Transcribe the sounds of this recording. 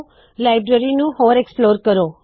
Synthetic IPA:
laɪbɾəɾinũɦoːɾeksploːɾkəɾo

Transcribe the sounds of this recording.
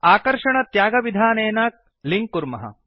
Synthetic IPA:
aːkɐɾʂɐɳɐt̪jaːɡɐʋid̪ʱaːneːnaːk̚ | liŋkkːuɾmɐɦɐ̰

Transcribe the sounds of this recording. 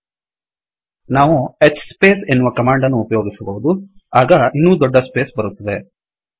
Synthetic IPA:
naːʋuet͡ʃspe̞ːse̞nːuʋɐkɐmaːɳɖɐnːuːpɐjo̞ːɡisɐbɐɦud̪uaːɡɐinːuːd̪ɔɖːɐspe̞ːsbɐɾut̪ːɐd̪e

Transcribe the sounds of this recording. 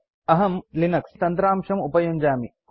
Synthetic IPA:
ɐɦɐmlinɐkst̪ɐnt̪ɾaːmʂɐmupɐjuɲd͡ʒaːmi

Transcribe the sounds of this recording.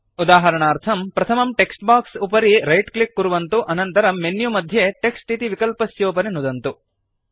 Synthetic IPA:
ud̪aːɦɐɾɐɳaːɾt̪ʰɐmpɾɐt̪ʰɐmɐmʈeksʈbaːksupɐɾiɾɐjʈklikːuɾuʋɐnt̪uʔɐnɐnt̪ɐɾɐmːenjumɐd̪ʱjeʈeksʈit̪iʋikɐlpɐsjoːpɐnenud̪ɐnt̪u

